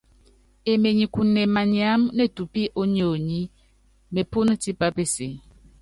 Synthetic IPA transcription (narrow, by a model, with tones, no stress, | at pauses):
e˨me˨ɲi˨ku˨ne˨ma˨ɲ˨a˨˦mne˦˨tu˨pi˦ʔo˦ɲ˦o˦˨o˨ɲi˦ | me˨pu˦n˦ti˦pa˦pe˦se˨